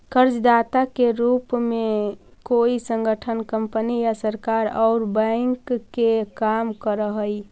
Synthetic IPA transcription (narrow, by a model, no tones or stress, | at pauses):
kəɾd͡ʒd̪aːt̪akeɾuːpmẽ | koisə̃ŋɡəʈʰənkəmpənijasəɾkaɾɔːɾbɛ̃ŋkːekamkəɾəɦəi